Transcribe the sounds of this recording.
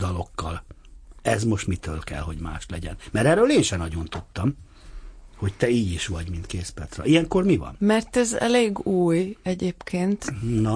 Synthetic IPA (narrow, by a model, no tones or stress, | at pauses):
d̪ɒlo̞kːɒl | ɛzmo̞ʃt̪mit̪ø̰ːlkɛ̰lɦo̞ɟma̰ːʃlɛɟɛ̰nmɛɾɛrøːleːnʃɛnɒɟo̞nt̪ut̪ːɒm | ho̞ct̪ɛiːɟiʃʋɒɟmint̪keːt̪spɛrt̪srɒ̰ijɛŋko̞rmivɒ̰nmɛrt̪ɛzɛ̰leːɡuːjɛɟeːpkʰeːnt̪nɒ